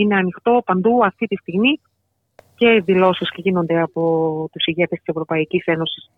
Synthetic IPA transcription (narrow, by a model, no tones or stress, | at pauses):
ine̞ɐnixt̪o̞pɐnd̪uɐft̪it̪ist̪iɣmi | ce̞iðilo̞sisceʝino̞nd̪e̞ɐpo̞t̪usiʝe̞t̪est̪i̥se̞vɾo̞pɐicise̞no̞si̥s